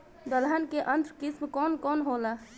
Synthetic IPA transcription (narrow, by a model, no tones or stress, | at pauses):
d̪əlɦənkeʔənt̪ɾkismkɔːnkɔːnɦola